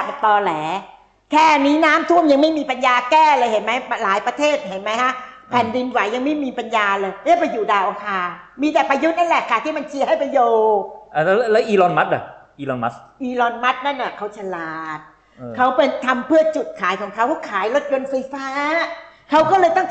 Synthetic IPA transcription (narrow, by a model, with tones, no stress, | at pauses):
t̪ɔː˧lɛː˩˦ | kʰɛː˥˩niː˦˥naː˦˥mt̪ʰu˥˩əmja˧ŋma˥˩jmiː˧pa˧njaː˧kɛː˥˩lɤː˧jhe˩˦nma˦˥jpa˧laː˩˦jpɾa˧t̪ʰeː˥˩t̪̚he˩˦nma˦˥jka˦˥pʰɛ˨˩ndi˧nwa˨˦jja˧ŋma˥˩jmiː˧pa˧njaː˧lɤː˧jjaː˥˩pa˧juː˨˩daː˧˩wʔa˧˩kʰaː˧miː˧t̪ɛː˨˩pa˧ju˦˥na˥˩lɛ˨˩kʰːaː˧˨˩t̪ʰiː˥˩ma˧nt͡ɕʰi˧˦ha˥˩jpa˧joː˧ʔa˨˩llɛː˦˥wʔiː˧lɔː˧nma˦˥t̪̚a˨˩ʔiː˧lɔː˧nma˦˥t̪̚ʔiː˧lɔː˧nma˦˥t̪̚na˥˩nʔa˨˩kʰa˦˥wt͡ɕʰa˧laː˨˩t̪̚ | ʔːkʰa˦˥wpe˧nt̪ʰa˧mpʰɯ˥˩ɐt͡ɕu˨˩t̪̚kʰaː˨˦jkʰɔː˩˦ŋkʰa˦˥wkʰa˥˩kʰaː˨˩˦jlo˦˥t̪̚jo˧nfa˧jfaː˦˥kʰa˦˥wkɔː˥˩lɤː˧jt̪ɔ˥˩ŋ